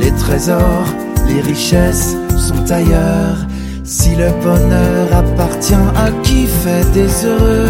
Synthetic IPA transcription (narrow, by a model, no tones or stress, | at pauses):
let̪χezɔʁ | leʁiʃɛsː | ɔ̃t̪ajœʁ | siləbɔnœʁapaʁt̪jɛ̃akʲifɛd̪ezøʁø